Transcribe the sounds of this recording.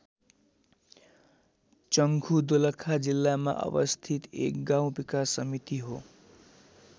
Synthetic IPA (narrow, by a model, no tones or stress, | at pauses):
t͡sʌŋɡʱud̪olʌkʰad͡zilːama̰ʔʌ̰bʌst̪ʰit̪ḛk̚ɡãw̃bikasʌmit̪iɦo